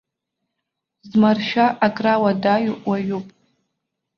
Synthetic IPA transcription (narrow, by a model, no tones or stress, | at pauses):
zmarʃᶣaʔakʼrawadaɥuwaɥupʼ